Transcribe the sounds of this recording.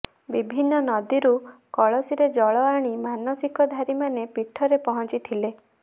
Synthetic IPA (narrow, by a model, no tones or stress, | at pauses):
bibʱinːɔnɔd̪iɾukɔɭɔsiɾed͡ʒɔɭɔaɽ̃imanɔsikɔd̪ʱaɾimanepiʈʰɔɾepɔɦɔ̃nt͡ʃit̪ʰile